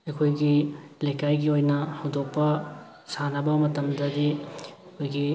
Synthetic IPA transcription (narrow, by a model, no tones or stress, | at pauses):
ekʰojɡilejkajɡiojnɐhɐwdok̚pɐ | sanɐbɐmɐtɐmdɐdi | kʰojɡi